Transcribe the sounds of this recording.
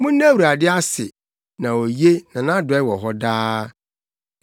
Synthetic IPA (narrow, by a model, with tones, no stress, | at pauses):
mʊ̃˦nː˦æ̃˦wu˨ɾa˨dɪ˦a˦sɪ˨ | nã˨o˨je˦nã˨nã˦dʊ˨ɛ˦wɔ˨ɦɔ˦daː˦